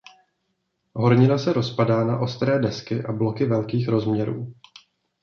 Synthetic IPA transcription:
ɦo̞ɾɲɪnasɛɾo̞spadaːna̰ʔo̞st̪ɾɛːdɛskɪʔablo̞kɪvɛlkiːxɾo̞zmɲɛɾṵː

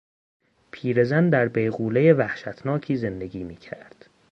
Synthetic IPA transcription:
pʰiːɾe̞zænd̪æɾbejɣuːlejevæhʃæt̪ʰnɒːcʰiːze̞nd̪e̞ɡʲiːmiːcʰæ̰ɾd̪̥

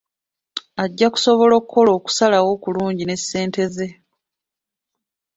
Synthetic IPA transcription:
aɟːaku̥so̞βo̞lo̞kʰːo̞lo̞ːku̥salawo̞kuluːɲɟine̞sːe̞ːnte̞ze̞

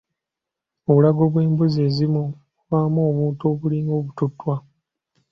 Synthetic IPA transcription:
o̞βulaɡo̞βwe̞ːmbuze̞ːzimu | βaːmoːβuːntoβuliŋɡo̞ːβututːwa

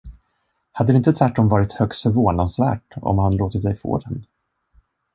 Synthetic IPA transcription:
had̪ːəɾɪnt̪ət̪ʰvæʈːɔmvɑːɾɪt̪hœkst̪fœɾvoːnansvæ̰ːʈɔ̰mhanloːt̪ədɛjfo̰ːd̪ɛnː

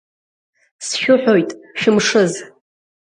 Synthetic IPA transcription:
sʃᶣʊħᶣojtʼʃɪmʂɨz

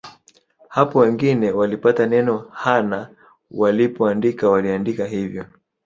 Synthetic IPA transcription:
hapɔwɛŋɡinɛwalipatanɛnɔhana | walipɔandikawaliandikaɦivjɔ

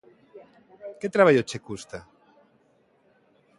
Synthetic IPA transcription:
ket̪ɾaβaʎot͡ʃekust̪a

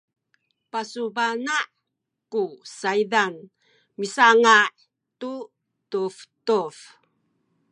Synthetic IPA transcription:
pasubanaʔ | kusaidan | misaŋaʔ | tu | tuftuf

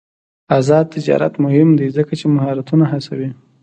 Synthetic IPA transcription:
azɑd̪̚t̪ɪd͡ʒɑ̰ɾa̰t̪mʊhɪmd̪azəkat͡ʃemahɑɾat̪unaɦasawi

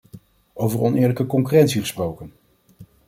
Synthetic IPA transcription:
owvəɹɔnɪːɹləkəkɔŋkyrɛntsiχəsprowkən

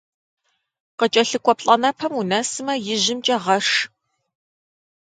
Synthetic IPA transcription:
qət͡ʃʼɐɬɨkʷʼɔpɬʼɐnɐpʰɐmunɐsɨmɐjɪʑɪmt͡ʃʼɐʁɐʂ

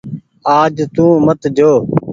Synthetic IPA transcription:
aːd͡ʒt̪ũːmət̪d͡ʒoː

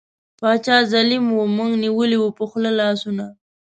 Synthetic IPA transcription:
pɑt͡ʃɑzalimwomuŋɡniwəliwəpəxlalɑsuna

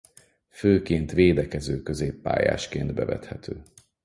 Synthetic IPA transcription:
føːkeːnt̪ʋeːd̪ɛkɛzøːkø̞zeːpːa̰ːja̰ːʃkeːnd̪bɛvɛ̰t̪hɛt̪ʰøː

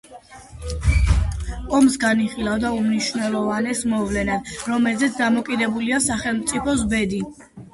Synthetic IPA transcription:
ɔmsɡaniχilˠavd̪aumniʃvnɛlˠɔvanɛsmɔvlɛnad̪̥ɾɔmɛlzɛt̪sʰd̪amɔkʼid̪ɛbuliasaχɛlˠmt̪sʼipʰɔsbɛd̪i

